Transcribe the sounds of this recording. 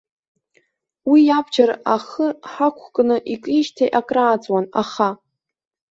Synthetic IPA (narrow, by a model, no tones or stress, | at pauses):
wijabd͡ʒaɾaχəħakʷʰkʼnɨʔikʼiʃtʰejʔakʼraːt͡sʼwanaχa